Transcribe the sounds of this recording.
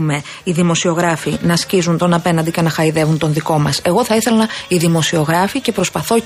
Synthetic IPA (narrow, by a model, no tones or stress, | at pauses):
me̞ | iðimo̞sio̞ɣɾɐfinɐscizunt̪o̞nɐpe̞nɐnd̪icenɐxɐiðe̞vunt̪o̞nðiko̞mɐse̞ɣo̞θɐiθe̞lɐiðimo̞sio̞ɣɾɐfice̞pɾo̞spɐθo̞